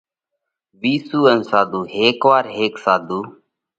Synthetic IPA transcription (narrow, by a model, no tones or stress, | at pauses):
ʋiːsuːənsaːd̪uːɦeːkʋaːɾɦeːksaːd̪uː